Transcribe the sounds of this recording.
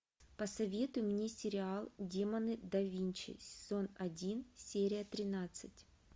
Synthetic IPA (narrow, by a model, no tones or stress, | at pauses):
pəsɐvʲe̞t̪ʊjʊmnʲe̞sʲɪɾʲɪalˠdʲemɐnɨd̪ɐvʲinʲt͡ɕɪ̰sʲɪ̥z̥o̞nɐdʲinsʲeɾʲɪjət̪ɾʲɪnat̪sɨtʲ